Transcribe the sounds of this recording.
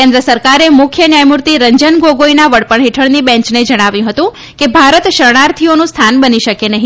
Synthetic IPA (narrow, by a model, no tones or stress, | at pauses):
kẽnd̪ɾəsəɾkaɾemʊkʰjənjajmuɾt̪iɾəɲd͡ʒənɡoɡoinaʋəɽpəɳɦeʈʰəɽnibɛ̃ɲt͡ʃned͡ʒəɽ̃aʋjũɦət̪ũ | kebʱaɾət̪ʃəɾɳ̃aɾt̪ʰionũst̪ʰanbəniʃəkenəɦĩ